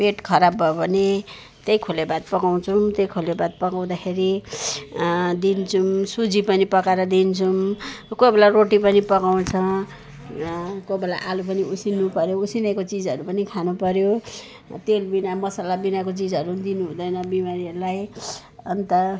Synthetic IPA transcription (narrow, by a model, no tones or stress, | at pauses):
peʈkʰʌɾabʌbʱʌne | t̪ejkʰolebat̪̚pʌkaw̃t͡sʰumt̪ejkʰolebad̪̚pʌkaw̃d̪akʰeɾi | d̪int͡sʰumsud͡zipʌnipʌkaɾʌd̪int͡sʰumkobelaroʈipʌnipʌkaw̃t͡sʰʌ | kobela̰ʔalup̬ʌniusinupʌɾjousinʌjkot͡sid͡zʌɾupʌnikʰanupʌɾjo | t̪elbinamʌsalabinakot͡sid͡zʌɾud̪inuɦũd̪ʌjnʌbimaɾiʌɾulaj | ʌnt̪ʌ